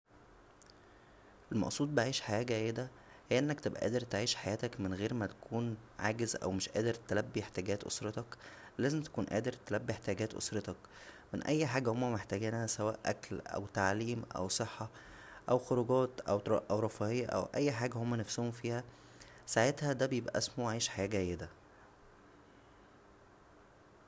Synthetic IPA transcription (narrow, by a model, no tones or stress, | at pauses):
ʔelmɑ̰ʔsˤuːd̪̚beʕiːʃħajæːɡæjːed̪æ | hejːæʔenːækt̪ebʔæ̰ʔæ̰ːd̪eɾt̪eʕiːʃħajæːt̪ækmenɣeːɾmæt̪æ̥kʰuːnʕaːɡezʔæ̰wmeʃʔæːd̪eɾt̪ælæbːijeħt̪æːɡæːt̪ʔo̰sˤɾɑt̪ɑklæːzemt̪æ̥kuːnʔæ̰ːd̪eɾt̪ælæbːieħt̪iæɡæːt̪ʔo̰sˤɾɑt̪ɑkmenʔæjːħaːɡæhomːæmeħt̪æːɡiːnhæsæwæːʔʔæ̰klʔæ̰wt̪aʕliːmʔæ̰wsˤeħːɑ | ʔæwxoɾuːɡæːt̪ʔæ̰wʔæwɾˤɑfɑːʔejːæʔæ̰wʔæjːħaːɡæhomːænæfsohomfiːhæ | saʕet̪hæd̪æbejebʔæ̰ʔæsmuʕiːʃħajæːɡæjːed̪æ